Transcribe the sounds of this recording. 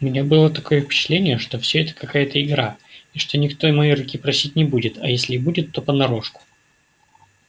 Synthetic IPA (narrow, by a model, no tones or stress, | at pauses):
ʊmʲɪnʲabɨlˠət̪ɐko̞jəfʲpʲɪ̥t͡ɕɪ̥t̪lʲenʲɪjəʂt̪o̞fsʲɵɛt̪ə̥kɐkajət̪əɪɡɾaiʂt̪o̞nʲɪkt̪o̞ɪmɐjiɾʊkʲipɾɐsʲit̚ʲnʲɪbudʲɪt̪ɐ̰jesʲlʲɪːbudʲɪt̪ːo̞pənɐɾo̞ʂkʊ̥